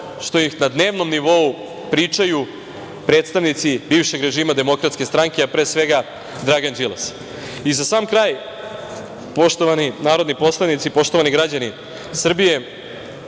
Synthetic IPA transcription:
ʃt̪o̞jixnad̪ne̞ːʋno̞mniʋo̞u | pɾiːt͡ʂaju | pɾe̞ːt̪st̪aʋnit̪sibiːʋʃe̞ɡɾe̞ʒiːmad̪e̞mo̞kɾat̪skʲe̞st̪ɾaŋkʲeapɾeːsʋe̞ɡa | d̪ɾaɡand͡ʒilˠas | izasaːmkɾaːj | po̞ʃt̪oʋaninaːɾod̪nipo̞slˠanit̪sipo̞ʃt̪oʋaniɡɾad͡ʑani | sr̩bije̞

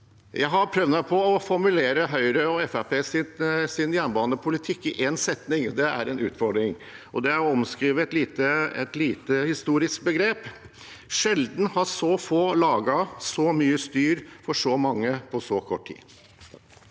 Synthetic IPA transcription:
jæɪɦɑɾpʰɾœʋnɑpʰɔɔfɔɾmʉleːɾəɦœʏɾəɔɛfæɾpeːsɪsɪnjænbɑːənəpʰʊlɪt̪ʰɪkːɪʔɛnsɛt̪nɪŋd̪ɛæ̰ɾɛnʉ̰ːt̪fɔɾɖ̪ɾɪŋ | ʔɔd̪ɛæɾɔɔmskɾiːʋəɛt̪liːt̪əɛ̰t̪liːt̪əhɪst̪uːɾɪsk̚bəɡɾeːp | ʂɛld̪n̩hɑsɔfoːlɑːɡɑsɔmyːəst̪yːɾfɔʂɔmɑŋːəpʰɔsɔkʰɔʈʰːḭː

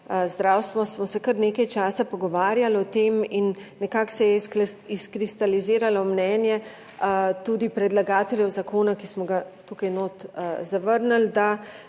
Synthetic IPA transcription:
zd̪ɾawst̪ʋɔsmɔsɛkəɾneːkajt͡ʃaːsapɔɡɔʋaːɾjalɔt̪eːminːɛkaksɛjɛiskɾist̪aliziːɾalɔmnɛːnjɛ | t̪uːd̪ipɾɛd̪laɡaːt̪ɛljɛwzakoːnakismɔɡat̪uːkajnoːt̪zaʋəɾnald̪a

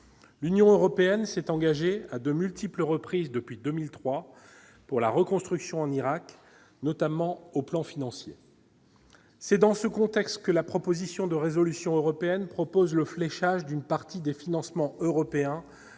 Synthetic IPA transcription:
lynjɔ̃øʁɔpeɛnsɛt̪ɑ̃ɡaʒead̪əmylt̪ipləʁəpχizd̪əpɥid̪əmilt̪χwa | puʁlaʁəkɔ̃st̪χyksjɔ̃ɑ̃niʁak | nɔt̪amɑ̃oplɑ̃finɑ̃sjḛ | sɛd̪ɑ̃səkɔ̃t̪ɛkst̪kəlapχɔpozisjɔ̃d̪əʁezɔlysjɔ̃øʁɔpeɛnpχɔpozləflɛʃaʒd̪ynpaʁt̪id̪efinɑ̃smɑ̃øʁɔpeɛ̃

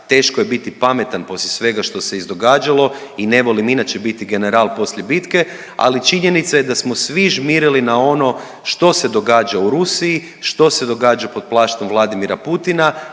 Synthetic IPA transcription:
t̪e̞ːʃkoje̞bit̪ipame̞t̪anpo̞slʲesʋe̞ɡaʃt̪o̞se̞izd̪o̞ɡaːd͡ʒalo̞ine̞ʋo̞liminat͡ʃe̞bit̪iɡe̞ne̞ɾalˠpo̞sʎʲe̞bit̪ke̞ | a̰lit͡ʃiɲe̞nit̪sajed̪asmo̞sʋiʒmiɾilinao̞no̞ | ʃt̪o̞se̞d̪o̞ɡaːd͡ʒauɾusiji | ʃt̪o̞se̞d̪o̞ɡaːd͡ʒapo̞d̪̚plˠaːʃt̪o̞mʋlˠad̪imiɾaput̪ina

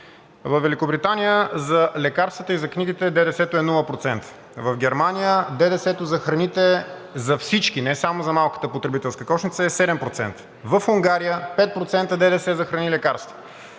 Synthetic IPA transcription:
vəfvːɛlikobɾit̪anijəzɐlɛkaɾst̪vət̪əizɐkniɡit̪ɛd̪ɛd̪ɛsɛt̪oɛnulˠəpɾot̪sɛnt̪ə̥ | vəvɡʲɛɾmanʲijəd̪ɛd̪ɛsɛt̪ʊzɐxɾɐnit̪ɛ | zɐfsit͡ʃk̟inɛsamozɐmalˠkə̥t̪əpot̪ɾɛbit̪ɛlˠskəkɔʃnit̪səɛsɛd̪ɛmpɾot̪sɛ̰nt̪ə̥ | vəfuŋɡaɾijəpɛt̪̚pɾot̪sɛnt̪əd̪ɛd̪ɛsɛzɐxɾɐnilɛkaɾst̪və̥

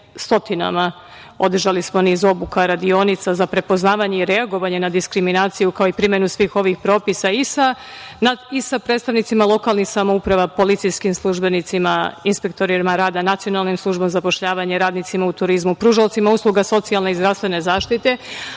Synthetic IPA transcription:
st̪o̞t̪ina̰ma | o̞d̪r̩ʒalismo̞nizo̞bukaɾad̪io̞nit̪sazapɾe̞po̞znaːʋaɲeiɾe̞aɡo̞ʋaɲe̞nad̪iskɾiminaːt̪sijukao̞ipɾimjenusʋiːxo̞ʋixpɾo̞ːpisaisa | naisapɾe̞ːt̪st̪aʋnit̪simalˠo̞kalˠnixsamoupɾaʋapo̞lit̪sijskimslˠuʒbe̞nit̪simainspe̞k̚t̪o̞ɾimaɾaːd̪anat̪sio̞nalˠnimslˠuʒbo̞mzapo̞ʃʎaːʋaɲeɾaːd̪nit̪simaut̪uɾizmupɾuʒaot̪simauslˠuɡaso̞t̪sialne̞izd̪ɾafst̪ʋe̞ne̞zaːʃt̪it̪e̞

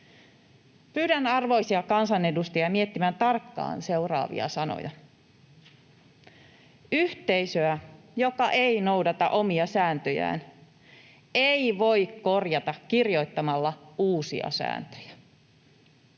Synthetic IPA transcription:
pyːdænɑrʋo̞jsiɑkɑnsɑnedust̪ejɑmiet̪ːimænt̪ɑrkːɑ̰ːnse̞urɑ̰ːʋḭɑ̰sɑno̰jɑ | yht̪e̞jsøæ | jo̞kɑʔe̞inowdɑt̪ɑʔo̞miɑsæːnt̪øjæ̰ːn | eiʋo̞ikko̞rjɑt̪ɑkːirjo̞it̪ːɑmɑlːɑuːsḭɑ̰sæ̰ːnt̪ø̥jæ

